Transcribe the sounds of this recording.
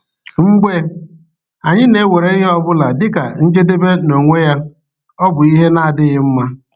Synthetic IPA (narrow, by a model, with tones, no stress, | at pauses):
ŋ͡m̩˦ɡ͡be˦ | a˨ɲɪ˦ne˨˦we˨ɾe˨˦i˦ɦe˦ɔ˦bʊ˦la˨dɪ˦ka̰˨n̩˦d͡ʒe˦de˦be˦no˨ŋʷe˦ja˦ | ɔ˦bʊ˨i˦ɦe˦na˦a˨dɪ˦ɣɪ˦m̩˦ma˦